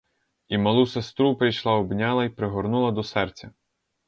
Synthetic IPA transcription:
imɐlˠusest̪ɾupɾɪjʃlˠɑɔbnʲɑlˠɐipɾeɦɔɾnulˠɐd̪ɔsɛrt͡sʲɐ

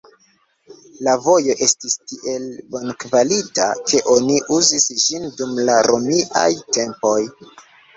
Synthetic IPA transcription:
lavo̞jo̞ʔe̞stistiʔe̞lbo̞nkvalita̰kʰe̞ʔo̞niʔuzisd͡ʒindumlaɾomiʔa̰jte̞mpo̞j

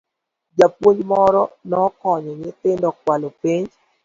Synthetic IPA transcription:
d͡ʒapwoɲd͡ʒmɔɾɔnɔkɔɲɔɲɪt̪ɪndɔk̚walopeɲd͡ʒ

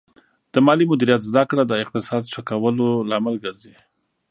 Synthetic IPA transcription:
d̪̥əmɑlimʊd̪iɾijat̪zd̪akɽad̪əɪq̚t̪ɪsɑd̪ʃakawəlolɑmalɡəɾzi

